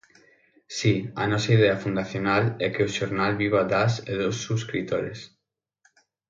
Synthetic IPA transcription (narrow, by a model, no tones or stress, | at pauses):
sia̰nɔsɐið̞eafund̪aθjonalɛkeʊʃoɾnalβiβ̞ad̪aseðosːuskɾit̪oɾḛs